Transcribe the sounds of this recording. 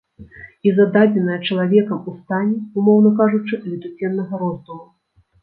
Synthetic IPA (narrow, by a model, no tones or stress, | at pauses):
izɐd̪ad͡zʲɛnɐjɐt͡ʂɐlˠavʲɛkɐmust̪anʲɛumɔwn̪ɐkaʐut͡ʂɨlʲit̪ut͡sʲɛnːɐɣɐɾɔzd̪umu